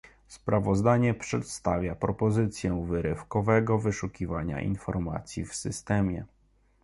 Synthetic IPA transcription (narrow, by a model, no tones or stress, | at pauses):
spɾavɔzd̪aɲɛpʂɛt̪st̪avʲjapɾɔpɔzɘt̪sʲjɛ̃vɘɾɘfkɔvɛɡɔvɘʂukʲivaɲa̰ʔḭnfɔɾma̰t̪sʲjifsɘst̪ɛmʲjɛ